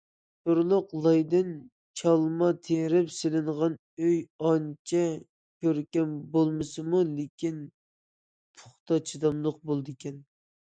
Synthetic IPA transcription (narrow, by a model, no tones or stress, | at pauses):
t̪oɾlˠʊqlˠɑjd̪ɪn | t͡ʃʰɑlˠmɑt̪ʰeɾɪpsɪlɪɴʁɑn | øjɑnt͡ʃʰɛ | kʲʰøɾkʲɛnbolˠmɨsɨmulekʲin | pʰʊ̥χt̪ɑt͡ʃʰid̪ɑmlˠəq̚bolˠd̪ɨkʲʰɛn